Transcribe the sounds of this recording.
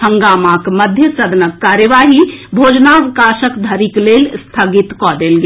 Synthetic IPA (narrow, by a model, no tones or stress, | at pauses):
hə̃ŋɡaːmakməd̪ʱjəsəd̪nəkːaːɾjəʋaːɦibʱoːd͡ʒnaʋɪkaʃəkd̪ʱəɾikleːlst̪ʰaɡit̪kɔd̪eːlɡe